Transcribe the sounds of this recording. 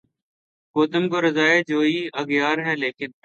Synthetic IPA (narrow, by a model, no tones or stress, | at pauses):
koːt̪əmkoːɾəzaːeːd͡ʒoːiːəɡjaːɾɦɛːleːkɪn